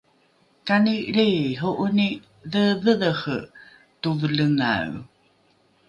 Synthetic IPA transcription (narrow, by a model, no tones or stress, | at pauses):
kaniɾejɦoʔuni | ðəvəðəxə̰ | tuvələŋa̰u